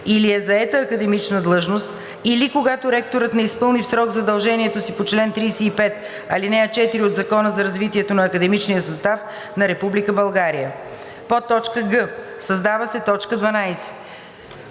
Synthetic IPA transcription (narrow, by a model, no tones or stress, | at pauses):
iliɛzɐɛt̪əːkəd̪ɛmit͡ʃnəd̪lˠɤʒnost̪ | ilikoɡat̪oɾɛk̚t̪oɾət̪nɛispɤlˠnifsɾɔɡzɐd̪ɐlˠʒɛniɛt̪osipot͡ʃlɛnt̪ɾiːsɛipɛt̪̚ | ɐlinɛɛt͡ʃɛt̪iɾiod̪zɐkɔnəzɐɾɐzvit̪iɛt̪onɐːkəd̪ɛmit͡ʃnijəsɐst̪af | nɐɾɛpublikəbɐlˠɡaɾijə | pot̪ːɔt͡ʃkəɡɤ | sɐzd̪avəsɛt̪ɔt͡ʃkəd̪vɐnajsɛ̥